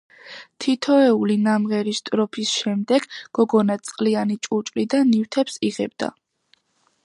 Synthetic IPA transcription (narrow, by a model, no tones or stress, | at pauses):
t̪ʰit̪ʰɔɛulinamʁɛɾist̪ʼɾɔpʰisʃɛmd̪ɛɡ̥ɡ̥ɔɡɔnat̪sʼqʼlianit͡ʃʼut͡ʃʼlid̪anːift̪ʰɛpsiʁɛ̰b̚d̪a̰